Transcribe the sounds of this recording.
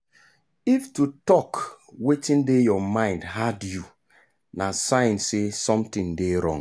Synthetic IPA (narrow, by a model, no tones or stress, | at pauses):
iftutɔk | wetĩndejɔmãɪ̃ndɦadju | nasãɪ̃nsesɔ̃mtĩŋdeɾɔ̰̃ŋ